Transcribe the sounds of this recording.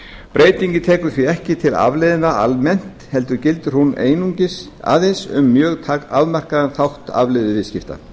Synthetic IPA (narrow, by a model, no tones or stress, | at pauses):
pɾeːjt̪iɲcɪt̪ʰɛːkʏ̥θviɛhcɪt̪ʰɪla̰vlɪðɪnaa̰lmɛn̥t̪hɛl̪t̪ʏɾcɪlt̪ʏɾ̥huneːjnuɲcɪs | a̰ːðesʏ̰mːjœːɣt̪ʰaaðmar̥kaðɛnθawht̪a̰vlɪðɪvɪscɪft̪a̰